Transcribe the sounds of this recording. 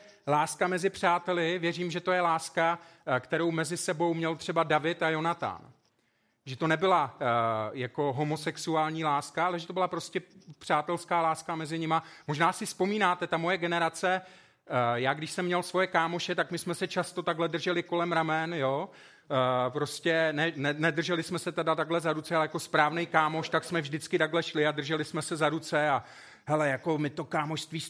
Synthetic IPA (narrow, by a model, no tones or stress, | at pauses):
laːskamɛzɪpr̝̥aːt̪ɛlɪvjɛriːmʒɛt̪o̞jɛlaːskakt̪ɛɾowmɛzɪsɛbo̞wmɲɛlt̪r̝̥ɛbadavɪt̪ajo̞nat̪a̰n | ʒɛt̪o̞nɛbɪla | jako̞ɦo̞mosɛksuaːlɲiːlaːskaʔalɛʒɛt̪obɪlapɾo̞scɛpr̝̥aːt̪ɛlskaːlaːskamɛzɪɲɪmamo̞ʒnaːsɪspo̞miːnaːt̪ɛt̪amo̞jɛɡɛnɛɾat͡sɛ | jaːɡdɪʃsɛmːɲɛlsvo̞jɛkaːmo̞ʃɛt̪akmɪsmɛsɛt͡ʃast̪o̞t̪aɡɦlɛdr̩ʒɛlɪko̞lɛmɾamɛnjoː | pɾo̞scɛnɛnɛnɛdr̩ʒɛlɪsmɛsɛt̪adat̪aɡɦlɛzaɾut͡sɛalɛjako̞spɾaːvnɛjkaːmo̞ʃt̪aksmɛvʒdɪt͡skɪt̪aɡɦlɛʃlɪadr̩ʒɛlɪsmɛsɛzaɾut͡sɛa | ɦɛlɛjako̞mɪt̪okaːmoʃst̪viːs